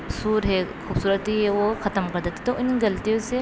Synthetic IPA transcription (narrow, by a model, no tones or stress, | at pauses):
suːɾɦɛkʰuːbsuːɾət̪iɦeʋokʰɐt̪əmkɐɾd̪et̪i̥t̪oʔɪnɡɐlt̪iõse